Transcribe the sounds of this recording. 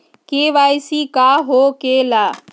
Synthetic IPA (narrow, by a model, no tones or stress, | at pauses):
keʋajsikaɦokela